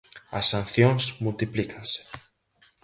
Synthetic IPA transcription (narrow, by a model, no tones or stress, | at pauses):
ɐsːan̟θjoŋsmult̪iplikansɪ̥